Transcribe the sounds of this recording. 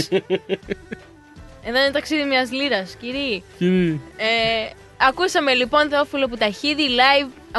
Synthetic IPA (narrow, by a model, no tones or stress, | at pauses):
eðonet̪ɐksiðimɲɐzliɾɐsciɾiciɾie | ɐkusɐme̞lipo̞nθeofiloput̪ɐçiðilɐjv | ɐ